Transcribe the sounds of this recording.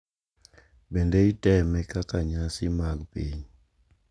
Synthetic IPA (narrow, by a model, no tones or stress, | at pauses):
bɛndeitɛmɛkakaɲasimakpḛɲ